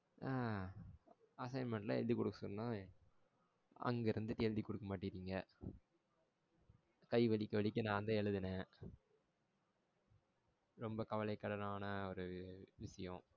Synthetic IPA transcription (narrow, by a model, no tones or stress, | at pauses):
ʔaː | ɐsɐɪnmɛɳʈla̰ɛ̰lðikɔɽɯkːɐsɔnːaː | ɐ̰ŋɡeɾɯnd̪ɯtːɛɻd̪ikɔɽɯkːɐmaːʈːɪɾiːŋɡɐ | kɐɪʋɐɭɪkːɐʋɐɭɪkːɯnãːɐnd̪ɐɛɻɯðɯnɛ̃ | ɾɔmbɐkɐʋɐlɐɪkːɐɽɐnaːnɐɔɾɯʋɪʂɐjɔ̃